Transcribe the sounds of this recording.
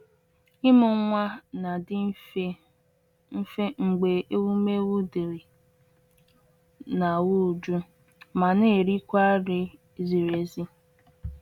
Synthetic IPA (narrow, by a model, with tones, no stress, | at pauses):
ɪ˦mʊ˨˦ŋʷa˦na˨dɪ˦ | fe˦ŋ͡m̩˨ɡ͡be˨ʔe˦wu˦me˦wu˦di˨ɾi˨ | na˨wu˦˨d͡ʒu˦ | ma˨ne˦˨ɾi˦kʷa˦ɾɪ˦ | zi˨ɾe˨zi˦